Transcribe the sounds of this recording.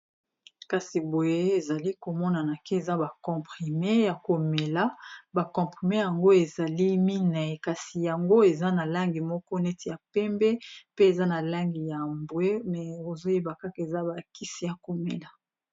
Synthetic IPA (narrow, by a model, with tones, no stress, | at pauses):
ka˨si˨bo˨je˦e˦e˨za˨li˦ko˨mɔ˦na˨na˨ke˦e˨za˦ba˨kɔ̃˨pχi˨me˦ja˨ko˨me˨la˦ba˨kɔ̃˨pχi˨me˦ja˨ŋɡo˦e˨za˨li˦mi˦na˨e˨ka˨si˨ja˨ŋɡo˦e˨za˦na˨la˦ŋɡi˨mɔ˦kɔ˦nɛ˦ti˨ja˨pɛ˦mbɛ˦pe˦e˨za˦na˨la˦ŋɡi˨ja˨mbwe˦mɛ˨o˨zo˦je˦ba˨ka˦ke˨za˦ba˨ki˦si˨ja˨ko˨me˨la˨